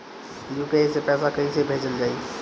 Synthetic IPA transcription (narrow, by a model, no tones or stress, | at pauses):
juːkesepɛːsakɐisebʱeːd͡ʑəld͡ʑaːiː